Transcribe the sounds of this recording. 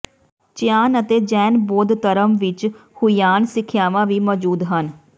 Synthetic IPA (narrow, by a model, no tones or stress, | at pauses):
t͡ʃɪjaːnət̪eːd͡ʒɛːnboːd̪t̪əɾəmʋɪt͡ʃhʊijaːnsɪkʰːjaːʋãːʋiːmɔːd͡ʒuːd̪ɦən